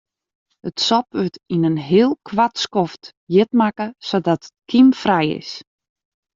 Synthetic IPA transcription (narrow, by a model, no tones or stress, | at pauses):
ətsɔpʋøtinənɦɪəlˠkʰʋatskɔft | jɪtmakəsodɔtət̚kʰimfrɛjɪ̰s